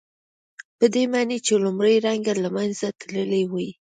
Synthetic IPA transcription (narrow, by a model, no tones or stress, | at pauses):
pəd̪emɑnet͡ʃelʊmɾəjɾaŋɡalamanzat̪ləlewaj